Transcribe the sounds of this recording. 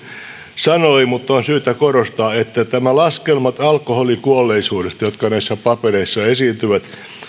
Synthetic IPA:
sɑnoimut̪ːonsyːt̪ækorost̪ɑːet̪ːæt̪æmælɑskelmɑt̪ɑlkoholikuolːeisuːdest̪jot̪kɑnæisːæpɑpeɾeisːɑesiːnt̪yʋæt̪

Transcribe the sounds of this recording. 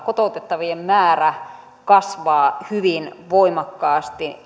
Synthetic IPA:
kot̪ot̪et̪ːɑʋiemmæːræ | kɑsʋɑːhyʋinʋoimɑkːɑːst̪i

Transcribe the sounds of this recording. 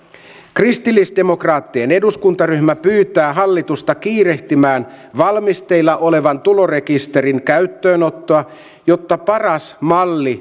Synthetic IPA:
krist̪ilːisde̞mo̞krɑːt̪ːiene̞duskunt̪ɑryçmæpyːt̪æːɦɑlːit̪ust̪ɑkiːɾe̞ht̪imæːnʋɑlmist̪e̞ilːɑʔo̞le̞ʋɑnt̪ulo̞re̞kist̪e̞ɾiŋkæyt̪ːø̞ːnot̪ːo̞ɑ | jo̞t̪ːɑpɑrɑsmɑlːi

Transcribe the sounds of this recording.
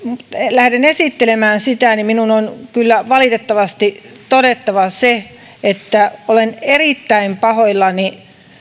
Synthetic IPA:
mut̪elæhdenesit̪ːelemæːnsit̪æniminunonkylːæʋɑlit̪et̪ːɑʋɑst̪it̪oɾet̪ːɑʋɑse | et̪ːæolenerit̪ːæimpɑhoilːɑni

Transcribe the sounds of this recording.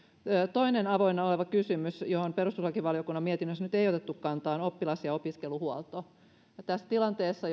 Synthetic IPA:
øːt̪oinenɑʋoinːɑoleʋɑkysymysjohomperust̪uslɑkiʋɑlijokunːɑmiet̪inːøsːnyt̪eiot̪et̪ːukkɑnt̪ɑːnopːilɑsjɑopiskeluhuolt̪o | jɑt̪æsːt̪ilɑnt̪eːsːɑ

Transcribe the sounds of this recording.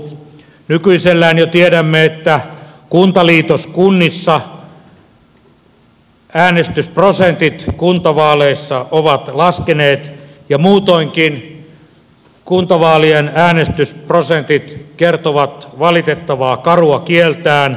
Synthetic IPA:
nykyiselːæːnjot̪ieɾæmːeet̪ːækunt̪ɑliːt̪oskunːisːɑ | æːnest̪ysprosent̪it̪kunt̪ɑʋɑːleisːɑoʋɑt̪lɑskeneːt̪jɑmuːt̪oiŋkin | kunt̪ɑʋɑːlienæːnest̪ysprosent̪it̪kert̪oʋɑt̪ʋɑlit̪et̪ːɑʋɑːkɑruɑkielt̪æːn

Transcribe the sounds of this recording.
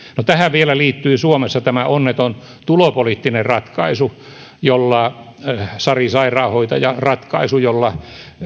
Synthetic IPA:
not̪æhæʋʋielæliːt̪ːyːsuomesːɑt̪æmæonːet̪on | t̪ulopoliːt̪ːinerrɑt̪kɑisu | jolːɑ | sɑrisɑirɑːhoit̪ɑjɑrɑt̪kɑisujolːɑ

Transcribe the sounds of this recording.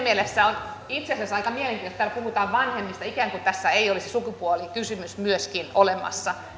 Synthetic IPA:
mielesːæon | it̪sesæsɑikɑmieleŋkiːt̪ost̪æːlpuhut̪ɑːʋʋɑnhemːist̪ɑikæːŋkut̪æsːæeiolisisukupuolikysymysmyøskinolemɑ̰sːɑ

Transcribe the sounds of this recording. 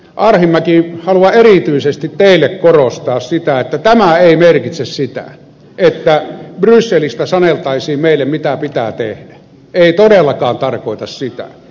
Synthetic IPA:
ʔɑrhimːækihɑluɑerit̪yisest̪it̪t̪eˑilːekkorost̪ɑːssit̪æet̪ːæt̪æmæeˑimerkit̪sessit̪æ̰ | et̪ːæbrysːelist̪æsɑnelt̪ɑisiːmmeˑilːemmit̪æpit̪æ̰t̪ḛhd̥æ̥ | eˑit̪odelːɑkɑːnt̪ɑrkoˑit̪ɑssit̪æ̰

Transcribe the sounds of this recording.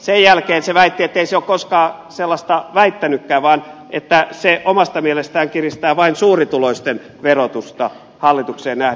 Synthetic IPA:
sejjælkeːnseʋæit̪ːiet̪ːeiseokkoskɑːselːɑst̪ɑʋæit̪ːænykːæːʋɑːnʔet̪ːæseʔomɑst̪ɑmielest̪æːŋkirist̪æːʋɑinsuːrit̪uloist̪en | ʋerot̪ust̪ɑ | hɑlːit̪ukseːnnæh

